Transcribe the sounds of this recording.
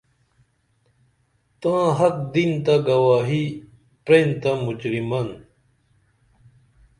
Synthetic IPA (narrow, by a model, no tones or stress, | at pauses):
t̪ãːɦɐk̚d̪int̪aɡɐwaːɦi | pɾeːnt̪amud͡ʑɾimɐn